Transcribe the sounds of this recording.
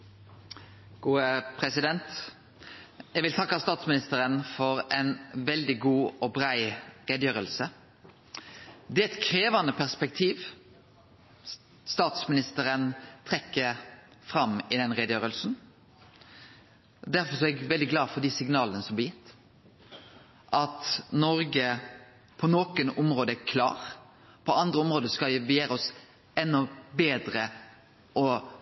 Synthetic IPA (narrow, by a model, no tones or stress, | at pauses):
ɡ̥uːəpʰɾɛsɪd̪ɛnt̪ | jɛɡʋɪlt̪ʰɑkːɑst̪ɑːt̪smɪnɪst̪əɾənfɔɾɛnʋɛld̪ɪɡuːɔbɾæɪʁeːd̪əjøːɾəlsə | d̪ɛːɛt̪kʰɾeːʋɑnəpʰæʁspɛkt̪ʰiːʋ | st̪ɑːt̪smɪnɪst̪əɾənt̪ʰʁɛkːəfɾɑmɪd̪ɛnʁeːd̪əjøːɾəlsn̩ | d̪æɾfɔsɔɛɡʋɛld̪ɪɡlɑːfɔʁd̪isɪɡnɑːlənəsɔmb̪ɪjɪt̪ː | ʔɑt̪nɔɾɡə | pʰɔnoːkənɔmɾoːd̪əækʰlɑ̰ːʁ | pʰɔʔɑnd̪ɾəɔmʁoːd̪əskɑbəjeːɾəɔs | ɛnːɔbeːd̪ɾə | ʔɔ